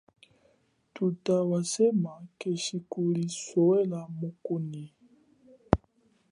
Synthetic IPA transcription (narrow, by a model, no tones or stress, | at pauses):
tutawasemakeʃikulisowɛlamokoni